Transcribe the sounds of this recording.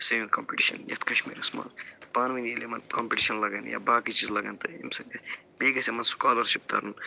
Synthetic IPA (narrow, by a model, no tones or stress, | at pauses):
sɐʋinkompiʈiʃɐ̰njɐ̰t̪kɐʃmḭːɾɐsma̰ːnzpaːnʋinjelemɐnkoːmpiʈiʃɐnlɐɡɐn̰ja̰ːbaːkit͡ʃiːzlɐɡɐnt̪ɐḭmsɐk̚d̪et̪ʰʲ | beːɡɐsemɐnsu̥kaːlɐɾʃip̚t̪ɐ̰ːɾun